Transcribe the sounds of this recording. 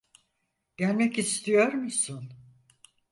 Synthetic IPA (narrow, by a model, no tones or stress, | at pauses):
ɟ̥ælʲmɛcist̪ʰijo̞ɾmusʊn